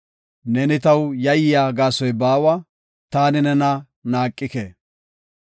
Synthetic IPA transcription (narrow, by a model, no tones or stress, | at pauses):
nɛnɪt̪ɐwjɐjɪjaːɡaːsɔjbaːwɐ | t̪aːnɪnɛnɐ | naːkʼːɪke